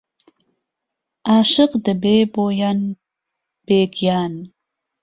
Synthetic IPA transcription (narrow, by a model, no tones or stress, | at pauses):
ɑːʂɨqd̪əbeːboːjan | b̥eːɡjɑːn